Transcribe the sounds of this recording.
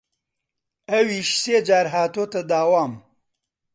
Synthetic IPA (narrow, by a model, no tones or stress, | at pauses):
ɐwiʃseːd͡ʒaːɾɦaːt̪oːt̪ɐd̪aːwaːm